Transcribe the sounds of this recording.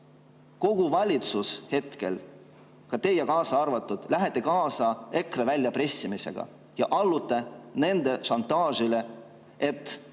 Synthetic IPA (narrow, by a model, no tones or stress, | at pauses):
ko̞ɡ̥uvɑlʲit̪sushe̞t̪ke̞̰l | kɑt̪e̞jːɑkɑːsɑɑrvɑt̪ːˑud̪̥læɦet̪ˑːe̞kɑːsɑe̞krevælʲjɑpre̞sːimise̞̰ɡ̥ɑ̰ | jɑ̰ʔɑlːut̪ːˑene̞nd̪e̞ʃɑnt̪ˑːɑːʒile̞ | e̞t̪ːˑ